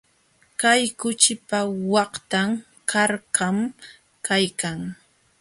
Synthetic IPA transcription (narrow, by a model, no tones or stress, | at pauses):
kajkʊt͡ʃɪpawɑqt̪am | kʰaɾqam | kajkaŋ